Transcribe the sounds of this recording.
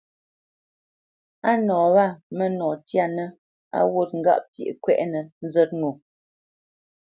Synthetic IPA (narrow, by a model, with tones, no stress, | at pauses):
a˦nɔː˨βa˦˨mə˦nɔ˨tja˦˨nə˦ | a̰˦wo˦t̚ŋ̩˦ɡa̰˦ʔpjḛ˨ʔkwɛ̰˦˨ʔnə˨n̩˦zɛ˦t̚ŋo˨